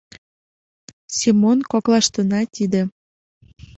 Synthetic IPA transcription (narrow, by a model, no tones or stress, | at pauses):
simonkoklɑʃt̪ənɑt̪ʲid̪ĕ